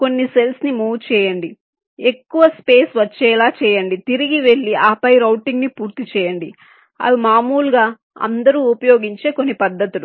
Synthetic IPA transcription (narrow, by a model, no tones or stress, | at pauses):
ko̞nːise̞lsnimuːʋt͡ʃɛːjɐɳɖi | e̞kːuʋɐspeːsʋɐt͡ʃːɛːlaːt͡ʃɛːjɐɳɖit̪iɾiɡiʋe̞ɭːiaːpɐjɾɐwʈiŋɡnipuːɾt̪it͡ʃɛːjɐɳɖi | ɐ̰ʋimaːmuːlɡaː | ɐ̰nd̪ɐɾuːupɐjoːɡiɲt͡ʃe̞ːko̞nːipɐd̪ːɐt̪ulu